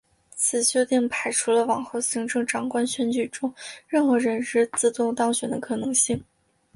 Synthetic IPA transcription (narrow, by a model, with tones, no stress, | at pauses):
t͡sʰɹ̩˨˩ɕjo˥ʊt̪i˥˩ŋpʰa˨˩ɪʈ͡ʂʰu˧˥lə˧wɑ˨˩ŋxo˥˩ʊɕi˧˥ŋʈ͡ʂɤ˥˩ŋʈ͡ʂɑ˨˩ŋkwa˥nɕɥɛ˧˥nt͡ɕy˨˩ʈ͡ʂʊ˥ŋɻə˥˩nxɤ˧˥ɻə˧˥nʂɻ̩˥˧t͡sɹ̩˥˧t̪ʊ˥˧ŋt̪ɑ˥ŋɕɥɛ˨˩nd̪ə̰˦kʰɤ˨˩nɤ˧˥ŋɕi˥˩ŋ